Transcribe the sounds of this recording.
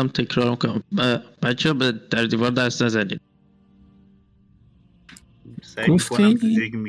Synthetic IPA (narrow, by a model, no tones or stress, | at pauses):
æmt̪ʰekʰɾɒːɾmikʰonæmbæb̥æt̪t͡ʃʰːɛbed̪̥æɾd̪iːvɒːɾd̪æɾst̪næzæniːd̪̥̚ | ɡ̥oft̪ʰi